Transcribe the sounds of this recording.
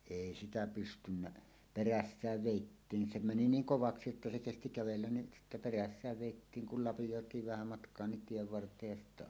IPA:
eˑi sitæ pystynːæ peræsːæːʋ ʋeˑitːiːŋ se meni niːŋ koʋɑksi etːæ se kesti kæʋelːæn ni sitːæ peræsːæːʋ ʋeˑitːiːŋ kul lɑpijoˑetˑiːʋ ʋæhæ mɑtkˑoɑ nin tieʋ ʋɑrtˑeːj jɑ sitːæ

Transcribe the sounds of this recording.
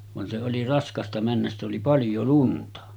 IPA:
ʋɑn se oli rɑskɑstɑ mænːæs sitˑ oli pɑljo luntɑ

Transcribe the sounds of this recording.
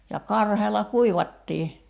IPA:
jɑ kɑrheːlɑ kuiʋɑtːiː

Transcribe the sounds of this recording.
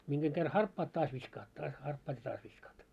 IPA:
miŋɡ̊eŋ ɡ̊er hɑrpːɑːt tɑːs ʋiskɑːt tɑːs hɑrpːɑːt jɑ tɑːs ʋiskɑːt

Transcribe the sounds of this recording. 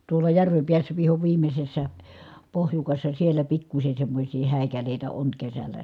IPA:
tuolɑ jærʋem piæsːæ ʋiho ʋiːmːesːæ pohjukɑsːɑ sielæ pikːusʲe semːosʲiː hæˑi̯kæleˑitæ oŋ kesælːæ

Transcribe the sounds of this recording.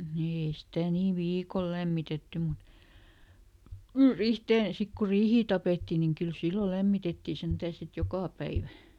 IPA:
ni ei sitæˑ niː ʋiːkol læmːitetːy mut ri rihteːn̞ sik ku riːhiː tɑpeˑtːi niŋ kyl silːo læmːitetːiˑ sentæː sit jokɑˑ pæiʋæ

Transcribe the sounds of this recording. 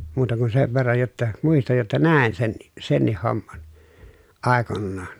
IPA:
muːtɑ kun seʋ ʋerːɑj jotːɑ muistɑj jotːɑ næˑen senːi senːih homːɑn ɑˑekonːɑːn

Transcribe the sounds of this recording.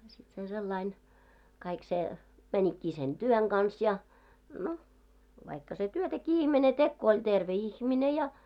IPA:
sit se selːɑin kɑik se mænʲikːiː sen d̥yøŋ ɡ̊ɑns jɑ no ʋɑikːɑ se tyøtækiː ihmene tek ko olʲ terʋe ihmine jɑ

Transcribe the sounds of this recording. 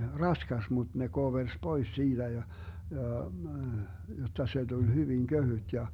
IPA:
rɑskɑs mut ne koʋers pois siːtæ jɑ jɑ jotːɑ se d̥ul hyʋiŋ køhyt jɑ

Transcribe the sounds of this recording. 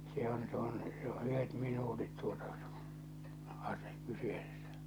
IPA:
se on se on se o ʔyhet minuːtit tuotɑ ɑse kyseːsːæ̥

